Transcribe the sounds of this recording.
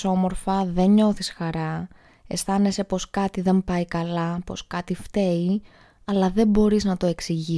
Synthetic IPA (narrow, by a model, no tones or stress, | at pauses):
o̞mo̞ɾfɐðe̞ɲɲo̞θisxɐɾɐ | e̞st̪ɐne̞se̞po̞skɐt̪iðe̞mpɐikɐlɐpo̞skɐt̪ift̪e̞i | ɐlɐðe̞bo̞ɾiznɐt̪o̞e̞ksiʝi